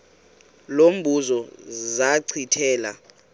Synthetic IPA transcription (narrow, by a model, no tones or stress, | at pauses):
lom̩bʱuzɔzaǀʰitʰɛːla̰